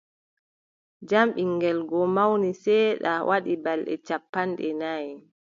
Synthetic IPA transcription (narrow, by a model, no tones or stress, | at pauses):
d͡ʒamɓiŋɡɛlɡɔmawnisɛːɗawʔaɗibalɗɛ̰t͡ʃapːanɗɛnaj